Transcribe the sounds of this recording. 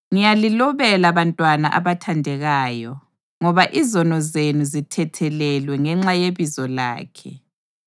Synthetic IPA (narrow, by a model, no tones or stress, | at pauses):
ŋijalilɔβɛlaβantʼwana̰ʔa̰βatʰandʱɛɣaːjɔ | ŋɔβaʔizɔnɔzenuzitʰɛtʰɛlɛlwɛŋɛŋ͡ǁajeβizɔla̰ːkʰɛ